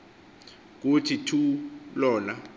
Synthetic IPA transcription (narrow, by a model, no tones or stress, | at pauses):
k̬utʰitʰulɔːna